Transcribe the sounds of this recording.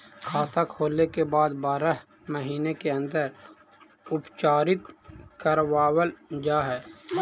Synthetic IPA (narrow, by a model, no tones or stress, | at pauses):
kʰaːt̪akʰɦoːlekebaːd̪baːɾəɦ | məɦiːnekeə̃nd̪əɾ | ʊpt͡ʃaːɾɪt̪kəɾwaːwəld͡ʒaːɦɛː